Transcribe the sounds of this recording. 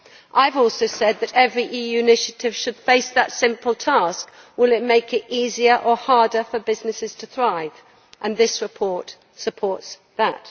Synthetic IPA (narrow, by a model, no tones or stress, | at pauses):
ʔaɪvɔˑlˠsoʊsɛd̪̚ðɨɾɛvɹiʔiːjʉɪnɪʃɨtʰɪv̥ʃəd̥feɪsðətsɪ̃mpəlˠtʰɑˑsk | wɪlˠɪt̚meɪkɪtiːziə˞ʔəhɑɹdə˞fəbɪznɨsɪz̥tʰəθɹaɪv̥ | ʔə̃nðɪsɹɨpʰɔɹt | səpʰɔɹts | ðət